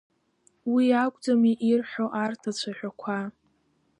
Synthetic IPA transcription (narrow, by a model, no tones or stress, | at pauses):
wiakʷʼd͡zamiʔirħʷᶣoʔartʰat͡ɕʷʰaħʷᶣakʷʰa